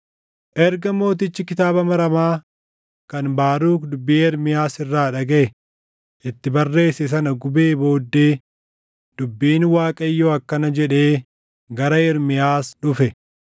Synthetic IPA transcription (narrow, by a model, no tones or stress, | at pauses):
ʔɛɾɡɐmo̞ːt̪̬ɪt͡ʃːɪkɪt̪aːbɐmɐɾɐmaː | kɐnbaːɾuːkd̪ʊbːiɛɾmɪjaːsɪrːaːᶑɐɡɐʔɛ | ʔɪt̪ːɪbɐrːe̞ːsɛs̬ɐnɐɡʊbe̞ːbo̞ːd̪ːeː | d̪̥ʊbːiːnwaːkʼɐjːoːɐkːɐnɐd͡ʒɛᶑe̞ː | ɡɐɾɐɛɾmɪjaːsᶑʊfɛ